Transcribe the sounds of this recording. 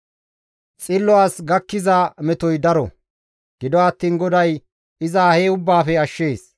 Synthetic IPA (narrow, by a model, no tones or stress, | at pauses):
t͡sʼɪlːɔwaːsɡɐkːɪzamɛt̪ɔjd̪ɐɾɔ̰ | ɡ̥ɪd̪ɔɐt̪ːiːnɡɔd̪ɐj | ɪzaːheːʊbːaːfɛɐʃːe̞ːs